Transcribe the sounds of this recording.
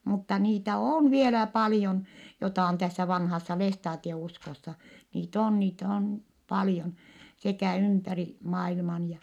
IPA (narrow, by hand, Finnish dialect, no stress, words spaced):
mutːɑ niːtæ oˑn ʋielæ pɑlĭjon jotɑˑ on tæsːæ ʋɑnhɑsːɑ lestɑːtieuskosːɑ niːt oːn niːt oːn pɑljon sekæˑ ympæri mɑilmɑn jɑ